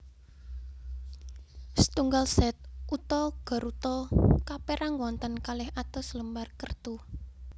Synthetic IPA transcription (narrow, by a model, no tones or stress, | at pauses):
sə̥t̪uŋɡalsɛt̪̚ʔut̪ɔɡ̥ɔ̤ɾut̪ɔkapeɾʔaŋwɔnt̪ənkalɪhat̪ɔsləmbarkərt̪u